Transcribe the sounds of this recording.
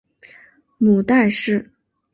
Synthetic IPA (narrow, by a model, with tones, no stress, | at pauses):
mu˨˩t̪a˥˧ɪʂɻ̩˥˩